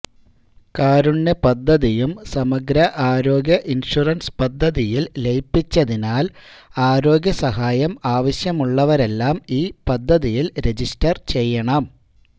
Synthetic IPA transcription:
kaːɾuɳːɐpɐd̪ʱːɐðijumsɐmɐɡɾɐʔaːɾo̞ːɡjɐʔinʂurɐnspɐd̪ʱːɐðijillejpːit͡ɕːɐðinaːlaːɾo̞ːɡjɐsɐɦaːjɐmaːʋɐɕjɐmuɭːɐʋɐɾe̞lːaːmiːpɐd̪ʱːɐðijilɾe̞d͡ʑistɐrt͡ɕe̞jːɐɳɐm

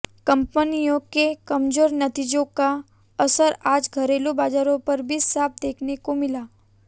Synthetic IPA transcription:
kə̃mpənijõkekɐmzoːɾnət̪id͡ʒõka | əsəɾaːd͡ʒɡʱəɾeːlobaːd͡ʒaːɾõpəɾbʱisaːp̚d̪eːkʰnekomɪlaː

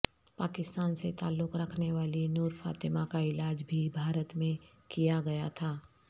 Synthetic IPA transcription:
paːkɪst̪aːnset̪aːlːʊkɾɐkʰneʋaːlinuːɾfa̰ːt̪ɪmakaɪlaːd͡ʒbʱibʱaːɾət̪mẽ | kijaɡɐjat̪ʰaː

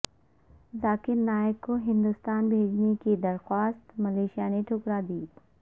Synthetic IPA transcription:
zaːkɪɾnaːɪkːoɦɪ̃nd̪ʊst̪aːnbʱeːd͡ʒnekid̪ɐɾxwaːst̪mɐleːʃijaneʈʰʊkɾad̪iː

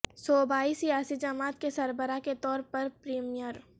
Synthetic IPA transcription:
sɔːbaːisijaːsid͡ʒɐmaːt̪kesɐɾbəɾaket̪ɔːɾpɐɾpɾiːmijəɾ

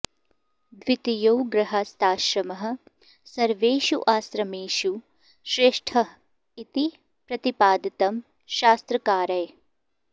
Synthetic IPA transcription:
d̪ʋit̪ijowɡɾɐɦɐst̪aːʃɾɐmɐɦɐ̆ | sɐɾʋeːʃṵʔaːsɾɐmeːʃu | ʃɾeːʂʈʰɐ | it̪i | pɾɐt̪ipaːd̪ɐt̪ɐm | ʃaːst̪ɾɐkaːɾɐj

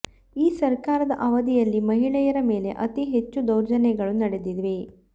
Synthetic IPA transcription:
iːsɐɾkaːɾɐd̪ɐʔɐʋɐd̪ijɐlːimɐɦiɭɛjɐɾɐme̞ːle̞̰ʔɐt̪iɦe̞t͡ʃːud̪ɐwɾd͡ʒɐnɛɡɐɭunɐɽed̪id̪ʋe

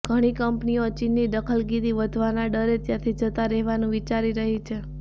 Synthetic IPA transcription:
ɡʱəɽ̃ikəmpniot͡ʃinːid̪əkʰəlɡid̪iʋəd̪ʱʋanaɖəɾet̪jãt̪ʰid͡ʒət̪aɾɛɦʋanũʋit͡ʃaɾiɾəɦit͡ʃʰe

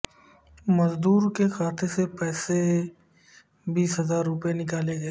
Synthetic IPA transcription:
mɐzd̪uːɾkexaːt̪ʰesepɛːse | biːsɦɐzaːɾːʊpenɪkaːleɡɐeː

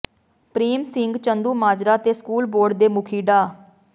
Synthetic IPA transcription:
pɾiːmsɪŋɡt͡ʃənd̪uːmaːd͡ʒɾaːt̪eːskuːlboːɾɖ̚d̪eːmʊkʰiːɖaː

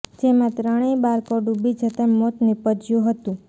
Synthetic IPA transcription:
d͡ʒemãt̪ɾəɽ̃ebaɾkoɖubid͡ʒət̪amot̪nipəd͡ʒjũɦət̪ũ

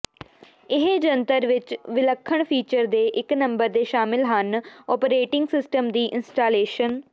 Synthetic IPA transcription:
ɪɦd͡ʒənt̪əɾʋɪt͡ʃʋɪləkʰːəɳpʰiːt͡ʃəɾd̪eːʔɪknə̃mbəɾd̪eːʃaːmɪlɦənɔːpɾeːʈɪŋɡsɪsʈəmd̪iːʔɪnsʈaːleːʃən

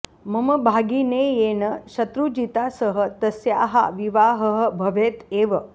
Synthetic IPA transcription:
məməbʱaɡinejenəɕɐt̪ɾud͡ʑit̪asəɦə̆t̪əsjaɦa̰ʋiʋaɦəɦəbʱəʋet̪eʋə

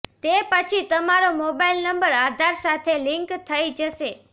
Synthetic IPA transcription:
t̪epət͡ʃʰit̪əmaɾomobailnəmbəɾad̪ʱaɾsat̪ʰelɪ̃ŋkt̪ʰəid͡ʒəʃe

